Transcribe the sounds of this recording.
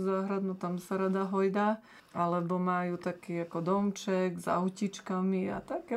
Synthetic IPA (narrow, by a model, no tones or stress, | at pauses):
zaːɦɾad̪nut̪amsaɾad̪aɦɔjd̪a | ʔalɛbɔmaːjut̪akiːakɔd̪ɔmt͡ʃɛɡza̰ʊcit͡ʃkamia̰t̪ak